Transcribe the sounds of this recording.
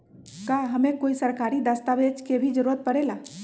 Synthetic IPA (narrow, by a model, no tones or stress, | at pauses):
kaɦəmẽkoːisəɾkaɾid̪ast̪aʋed͡ʒkebʱid͡ʒəɾuɾət̪̚pəɽela